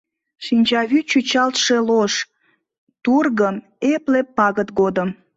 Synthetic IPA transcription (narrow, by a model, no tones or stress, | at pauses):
ʃinʲt͡ɕɑβyt͡ɕut͡ɕɑlt̪ʃeloʃ | t̪urɣəm | eplepːɑɣət̪ɡod̪əm